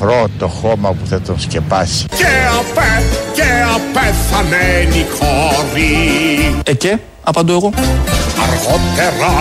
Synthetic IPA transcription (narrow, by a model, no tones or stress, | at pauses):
ɾot̪oxomɐpuθɐt̪onscepɐsi̥ceɐpɛceɐpɛθɐmenixoɾi | ece | ɐpɐnd̪oeɣo̞ɐɾɣot̪eɾɐ